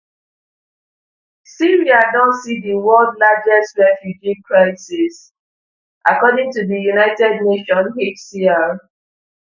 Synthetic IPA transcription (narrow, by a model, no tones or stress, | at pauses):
siɹiadɔ̃ntsidiwɔldlad͡ʒɛstɹɛfjud͡ʒikɹaɪsɪs | ʔakɔdɪ̃ŋtuðijunaɪtɛd̚neʃɔ̃nhetsia